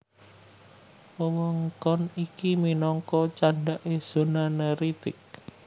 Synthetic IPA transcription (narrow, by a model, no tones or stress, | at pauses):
məmɔŋkɔnikiminɔŋkɔt͡ʃaɳɖaʔez̥o̤naneɾit̪ɪk̚